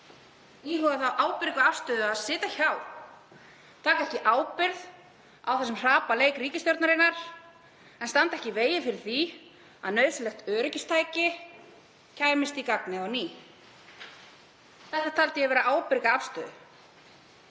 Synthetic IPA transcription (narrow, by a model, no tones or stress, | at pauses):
ihɔɣaθawʔaːwpɪɾkaafst̪œːðʏaðsɪːt̪açaw | t̪ʰaːkaɛhcɪʔaːwpɪɾð | awθɛsɪmr̥aːpaleːjkɾiːcɪst̪jɔɾt̪naɾɪnːaɾ̥ | ɛnst̪ant̪ɛhcɪveːjɪfɪɾɪɾ̥θi | aðnœɥðsʏlɛxt̪œːɾʏcɪst̪ʰaːjcɪ | cʰaːjmɪst̪ikaknɪawniː | θɛht̪ːat̪ʰalt̪ɪjɛvɛːɾaaːwpɪɾkaafst̪œːðʏ